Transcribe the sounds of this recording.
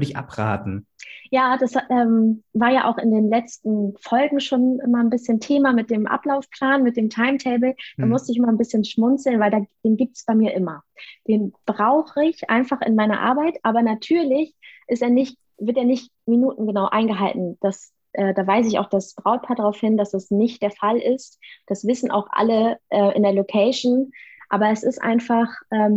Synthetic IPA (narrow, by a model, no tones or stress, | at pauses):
vɪçʔa̰pʁ̥a̰ːtn̩jaːd̥asʔɛːmvaːɐjaːʔa̰ʊxɪndeːnlɛt͡stn̩fɔlɡŋ̩ʃoːnʔɪmɐnbɪsçəntʰeːmamɪt̚d̥eːmʔa̰plaʊfpʰl̥aːnmɪt̚d̥eːmtʰaɪmtʰɛɪbl̩d̥aːmʊstəɪçɪmɐnbɪsçənʃmʊnt͡sl̩nvaɪldaːd̥eːnɡiːp̚tsb̥aɪmiːɐʔɪmɐd̥eːnb̥ʁaʊxəɪçʔa̰ɪnfaχɪ̰nmaɪnɐ̰ʔa̰ɐbaɪtʔaːbɐnatʰyːɐlɪçʔɪsteːɐnɪçt | vɪɐteːɐnɪçt | minuːtn̩ɡənaʊʔa̰ɪnɡəɦaltn̩d̥as | ʔɛːdaːvaɪs̬ɪçaʊxd̥asb̥ʁaʊt̚pʰaɐdʁaʊfhɪnd̥asd̥asnɪçt̚d̥eːɐfalʔɪstd̥asv̥ɪsn̩ʔa̰ʊxʔa̰ləʔɛːʔɪ̰ndeɐlokʰɛɪʃn̩ʔa̰ːbɐɛsɪstʔa̰ɪnfaχʔɛːm